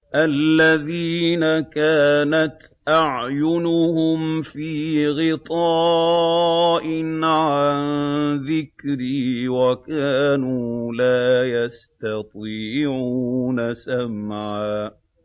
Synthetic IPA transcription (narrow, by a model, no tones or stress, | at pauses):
ʔalːaðiːnakaːnat̪ | ʔaʕjʊnʊhʊmfiːɣɪt̪ˤɑː | ʔɪnʕanðɪkɾiːwakaːnuːlaːjast̪ɑt̪ˤiːʕunasamʕaː